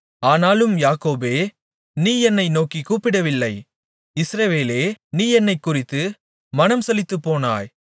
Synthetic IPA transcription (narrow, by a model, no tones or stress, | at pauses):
aːnaːlɯmjaːkoːbeː | niːɛnːɐɪnoːkikuːpːɪɽɐʋɪlːɐɪ | ɪsɾɐʋeːleːniːɛnːɐɪkːʊrɪt̪ːɯ | mɐnɐmsɛlɪt̪ːɯpːoːna̰ːj